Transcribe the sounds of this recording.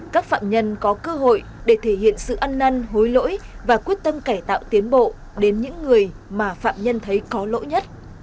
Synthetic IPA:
kaː˦˥k̚fa̰ː˧˨mɲə˧nkɔ˨˦kəː˧ɦo̰˧˨j | ɗe˧˩t̪ʰe˧˩hḭ˧˨ənsɨ̰˧˨ʔa˧nːa˧nɦo˨˦jlo̰˧˥jvaː˨˩kwi˦˥ət̚t̪ə˧mkaː˧˩jt̪a̰ː˧˨wt̪i˨˦ənɓo̰˧˨ | ɗe˨˦nɲɨ̰˧˥ŋːɨ˨˩əjmaː˨˩fa̰ː˧˨mɲə˧nt̪ʰə˨˦jkɔ˨˦lo̰˧˥jɲə˦˥t̚

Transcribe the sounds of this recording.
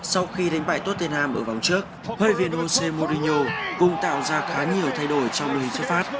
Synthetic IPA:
sa˧wxi˧ɗa˨˦jŋ̟ɓa̰ː˧˨jt̪o˦˥t̪̚e˧nhaː˧mʔəː˧˩va˨˩wŋ͡mt͡ɕɨ˦˥ək̚ | həː˧˨jvi˧˨ənho˧se˧mo˧ɾi˧ɲo˧kʊ̰˧˨ŋ͡mt̪a̰ː˧˨wzaː˧xaː˨˦ɲi˨˩əwt̪ʰa˧jɗo˧˩jt͡ɕɔ˧wŋ͡mɗṵ˧˨hï˨˩ŋsɨ˦˥kfaː˦˥p̚

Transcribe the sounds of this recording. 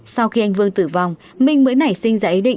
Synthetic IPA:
sa˧wxi˧ʔa˧jŋ̟vɨ˧əŋt̪ɨ˧˩va˧wŋ͡m | mï˧ŋ̟məː˨˦jna˧˩jsï˧ŋ̟zaː˧ʔi˨˦ɗḭ˧˨ŋ

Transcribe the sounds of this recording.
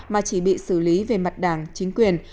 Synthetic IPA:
maː˨˩t͡ɕi˧˩ɓḭ˧˨sɨ˧˩li˨˦ve˨˩ma˨˩t̚ɗaː˧˩ŋt͡ɕi˨˦ŋ̟kwi˨˩ən

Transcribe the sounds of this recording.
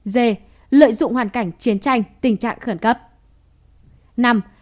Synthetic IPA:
ze˧˩ | lə̰ː˧˨jzʊ̰˧˨ŋ͡mhwaː˨˩nka˧˩jŋ̟t͡ɕi˨˦ənt͡ɕa˧jŋ̟t̪ï˨˩ŋ̟t͡ɕa̰ː˧˨ŋxə˧˩nkə˦˥p̚ | na˧m

